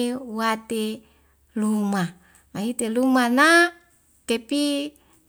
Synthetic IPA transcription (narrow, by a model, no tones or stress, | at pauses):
wat̪e | luma | maɦit̪elumana | kepi